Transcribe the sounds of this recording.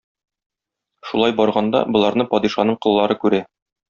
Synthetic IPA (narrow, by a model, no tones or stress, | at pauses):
ʃulˠɑjbɒɾʁɑnd̪ɑ̰bŏlˠɑɾnɤpɒd̪iʃɑnɤɴqɤ̆lˠːɑɾɤkʉɾæ